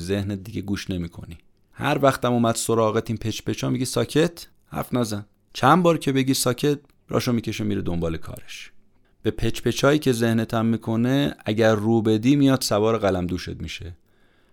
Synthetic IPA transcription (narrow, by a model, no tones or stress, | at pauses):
ze̞hnet̪̚d̪iɡɟeɡuːʃne̞miːkʰo̞̰ni | hæ̰ɾvæxt̪æmomæd̪̥soɾɒːɣet̪ʰiːnpʰe̞t͡ʃʰpe̞t͡ʃʰɒːmiɟisɒːcʰe̞t̪ʰ | hæ̰ɾfnæzæn | t͡ʃʰænbɒːɾcʲʰe̞beɟisɒːcʰe̞t̪̚ | ɾɒ̰ːʃomiːcʰeʃemiːɾed̪ombɒːle̞kʰɒ̰ːɾeʃ | b̥e̞pʰe̞t͡ʃpʰe̞t͡ʃʰɒːiːcʰe̞ze̞hnet̪ʰæmːiːkʰo̞neæɟæɾːuːbe̞d̪iːmijɒːd̪̥sævɒːɾeɣælæmd̪uːʃe̞̰t̪̚miʃe̞